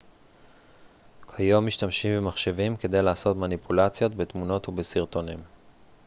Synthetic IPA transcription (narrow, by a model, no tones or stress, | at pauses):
kʰajo̞mːiʃtamʃimbemaχʃevimke̞d̪e̞jlaːso̞tmanipʰulat͡sjo̞tbet̪muno̞thubesiʁt̪o̞nim